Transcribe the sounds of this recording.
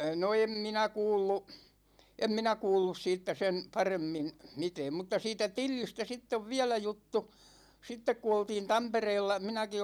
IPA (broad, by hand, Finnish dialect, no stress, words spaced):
no em minæ kuːlːu em minæ kuːlːus siːtːæ sen pɑremːin̞ mitɛːm mutːɑ siːtæ tilːistæ sitː oʋ ʋiælæ jutːu sitːek ku oltiːn tɑmpereːlːɑ minæki